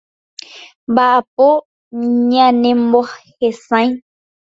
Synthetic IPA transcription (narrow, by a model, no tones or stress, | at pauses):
bapo | ɲãnẽmbɔhesã